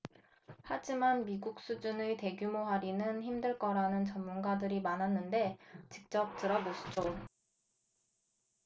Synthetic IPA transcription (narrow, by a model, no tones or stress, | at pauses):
had͡ʑimanmiɡuk̚s͈ud͡ʑunɯte̞ɡjumoɦaɾinɯnçimdɯɭk͈ʌɾanɯnt͡ɕʌmːunɡadɯɾimanɦanːɯnde̞t͡ɕik̚t͡ɕ͈ʌp̚t͈ɯɾʌboɕʰi̥d͡ʑo